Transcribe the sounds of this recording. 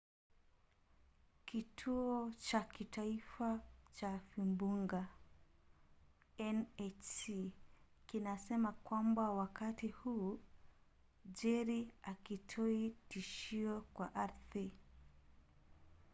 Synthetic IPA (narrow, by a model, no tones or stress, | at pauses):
kitʰuɔt͡ʃakitaifat͡ʃafimbuŋɡa | ɛnɛt͡ʃi | kinasɛmakwambawakatihuː | d͡ʒɛɾiakitʰɔitiʃiɔkwaʔaɾθi